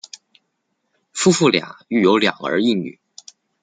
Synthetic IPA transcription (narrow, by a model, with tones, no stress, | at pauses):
fu˥fu˥˩lja̰˨˩˦y˥˩jo˧˥ʊljɑ̰˨˩ŋə̰˞˧˥i˥˩ŋny̰˨˩˦